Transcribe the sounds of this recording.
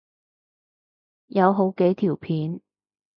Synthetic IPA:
jɐ˨˧wɦo˨˥wke˨˥jt̪ʰiː˨˩wpʰiː˨˥n

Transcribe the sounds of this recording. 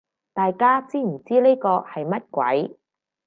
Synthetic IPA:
t̪aː˨jkaː˥t͡siː˥m̩˨˩t͡siː˥ne˥kɔː˧hɐ˨jmɐ˥t̚kʷɐ̰˨˥j

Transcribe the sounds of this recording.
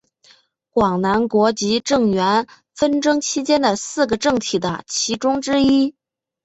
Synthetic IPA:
kwɑ˨˩ŋna˧˥nkwɔ˧˥t͡ɕi˧˥ʈ͡ʂɤ˥˩ŋɥɛ˧˥n | fə˥nʈ͡ʂɤ˥ŋt͡ɕʰi˥t͡ɕjɛ˥nd̪ə˨sɹ̩˥˩ɡə˩ʈ͡ʂɤ˥˩ŋt̪ʰi˨˩d̪ə̰˦t͡ɕʰi˧˥ʈ͡ʂʊ˥ŋʈ͡ʂɻ̩˥i˥

